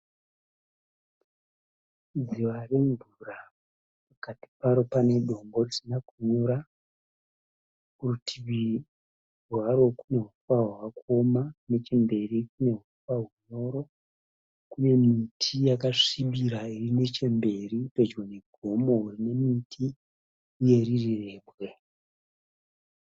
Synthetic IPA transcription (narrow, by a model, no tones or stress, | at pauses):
ziware̞ɱvura | pakati̥paɾo̞pane̞ɗo̞mbo̞risinakuɲuɾa | kurutʰiβi | rwaɾo̞kune̞ɦufwaɦwawako̞mane̞t͡ʃe̞mbe̞rikune̞ɦu | waɦuɲo̞ɾo̞ | kune̞mitʰijakaʂiɓiɾairine̞t͡ʃe̞mbe̞ripe̞d͡ʒwene̞ɡʱo̞mo̞urine̞mitʰiː | je̞ɾirire̞ːbɣe